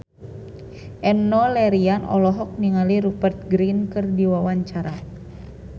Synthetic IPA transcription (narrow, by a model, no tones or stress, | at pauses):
ʔɛmnɔlɛɾianɔ̰lɔɦɔk̚niŋaliɾupərt̪̚ɡɾinkɨrdiwawaɲt͡ʃaɾa